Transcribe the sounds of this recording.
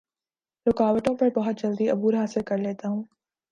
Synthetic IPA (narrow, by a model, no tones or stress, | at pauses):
lʊkaːʋəʈõpɐɾbɐɦʊt̪̚d͡ʒɐld̪iɐbuːɾɦaːsɪlkɐɾleːt̪aːɦũː